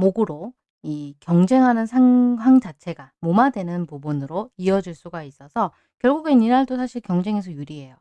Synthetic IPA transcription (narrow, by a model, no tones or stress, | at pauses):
moɡɯɾo | ikjʌŋd͡ʑe̞ŋɦanɯnsʰaŋɸwaŋd͡ʑat͡ɕʰe̞ɡamomadwe̞nɯnpobunɯɾoiʌd͡ʑuɭs͈uɡais͈ʌsʰʌ | kjʌɭɡuɡeninaɭdosʰaɕʰiɭkjʌŋd͡ʑe̞ŋe̞s̬ʰʌjuɾiɦe̞jo